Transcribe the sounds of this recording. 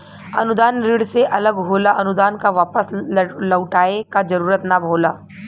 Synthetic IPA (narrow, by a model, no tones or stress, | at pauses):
ɐ̰nʊd̪aːnɾiːɽseʔɐləɡɦoːlaʔɐnʊd̪aːnkaʋaːpəsləwʈaːekad͡ʒɐɾuːɾət̪nabʱoːlaː